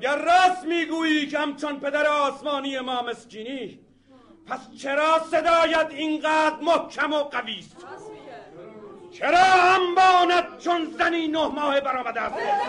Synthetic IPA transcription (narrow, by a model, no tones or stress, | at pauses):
æɡæɾːæːsmiːɡuːjiːkʰhæmt͡ʃʰonpʰe̞d̪æɾeɒːsmɑːniːjemɒːmescʰiːniː | pʰæst͡ʃʰeɾɒːse̞d̪ɒːjæd̪inɢæːd̪ɾmohkʰæmoɢæviːst̪ | t͡ʃʰeɾɒːhæmbɒːnæd̪̥̚t͡ʃʰonzæniːnohmɒːhebæɾɒːmæd̪æːst̪ː